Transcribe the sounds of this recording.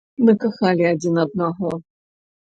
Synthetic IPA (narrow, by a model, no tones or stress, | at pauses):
mɨkaxalʲiad͡zʲinɐd̪̚naɣɔ